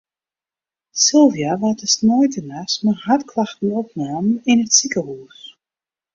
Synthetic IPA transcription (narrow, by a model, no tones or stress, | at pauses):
sɪlˠvjaʋatəsnɔjtʰənasmərhatkʰlaxtn̩ɔp̚naːmənɪnətsikəhuːs